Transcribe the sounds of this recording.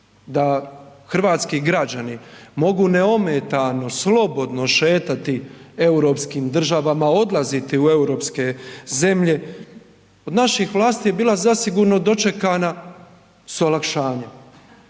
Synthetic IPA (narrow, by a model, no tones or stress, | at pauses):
d̪axr̩ʋaːt̪skiɡɾad͡ʑanimo̞ɡuneo̞met̪ano̞slo̞bo̞d̪no̞ʃe̞ːt̪at̪ie̞uɾo̞pskiːmd̪r̩ʒaʋamao̞d̪lˠazit̪iue̞uɾo̞ːpske̞ze̞mʎe̞ | o̞d̪naʃixʋlˠaːst̪ije̞biːlˠazasiɡuɾno̞d̪o̞t͡ʃe̞kana | suolˠakʃaːɲe